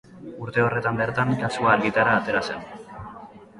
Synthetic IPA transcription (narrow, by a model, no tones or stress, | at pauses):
uɾt̪e̞o̞re̞t̪ambe̞ɾt̪aŋkasuaːɾɣit̪aɾaːt̪e̞ɾase̞n